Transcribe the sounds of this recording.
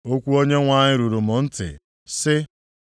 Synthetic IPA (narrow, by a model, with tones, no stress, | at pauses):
o˦kʷu˦o˦ɲe˦ŋʷa˦˨ɲɪ˦ɾu˨ɾu˨mʊ˨n̩˦tɪ̰˨ | sɪ˦